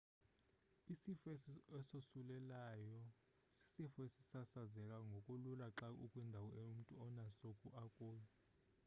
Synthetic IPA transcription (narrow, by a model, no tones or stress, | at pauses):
isifesiɛsosulɛlajɔ | si̥sifɔesi̥sasazɛk̬ʼaŋɡʱokʼululaǁakʼukʼwindʱawɔeum̩tʼuɔnasokʼuʔakʼoːjɛ